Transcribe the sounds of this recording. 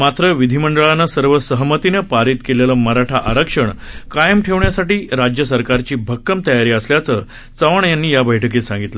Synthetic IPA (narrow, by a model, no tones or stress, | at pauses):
mat̪ɾəʋid̪ʱiməɳɖəɭanːəsəɾʋəsəɦmət̪inəpaɾiːt̪keleləməɦɾaʈʰaʔaɾəkʂəɳkajəmʈʰeʋɳjasaʈiːɾad͡ʑjəsəɾkaɾt͡ɕiːbʱəkːəmt̪əjaɾiːəsljat͡sə | t͡səʋəɳjanːiːjabəjʈʰək̬esãŋɡit̪lə